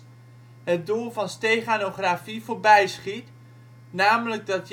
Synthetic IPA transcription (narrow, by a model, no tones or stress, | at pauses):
ɦət̚dulˠvɑnstejχaːnoχrafivoːɹbɛjsχit | naːmələɡ̚dɑt